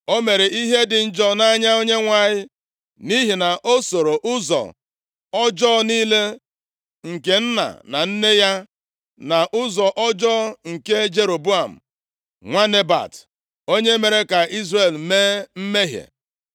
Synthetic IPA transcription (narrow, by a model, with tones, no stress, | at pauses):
o˦me˨ɾe˨i˦ɦe˦dɪ˨n̩˦d͡ʒɔ˦na˦ɲa˦o˦ɲe˦ŋʷa˨ɲɪ˦ | ni˦ɦi˨na˨ʔo˦so˨ɾo˨ʔʊ˦zɔ̰˨ | ɔ˦d͡ʒɔː˦niː˦le˦ | ŋ̩˨ke˨n̩˦na̰˨na̰˨n̩˦ne˦ja˦ | na˨ʔʊ˦zɔ˨ʔɔ˦d͡ʒɔː˦ŋ̩˨ke˦d͡ʒe˨ɾo˨bu˦a˨m̩˨ | ŋʷa˦ne˦ba̰˨t | o˦ɲe˦me˨ɾe˦ka˨ʔi˦zre˨lme˦m̩˦me˦ɦjḛ˨